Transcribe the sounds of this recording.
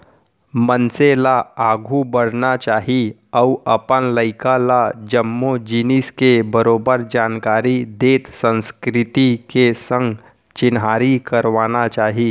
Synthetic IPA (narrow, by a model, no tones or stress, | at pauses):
mənselaaːɡʱubəɽnat͡ʃaːɦi | əuəpənləɪkalad͡ʒəmːod͡ʒiniskebəɾoːbəɾd͡ʒaːnkaːɾid̪eːt̪sə̃nskɾɪt̪ikesə̃ŋɡ | t͡ʃɪnɦaːɾikəɾʋaːnat͡ʃaːɦi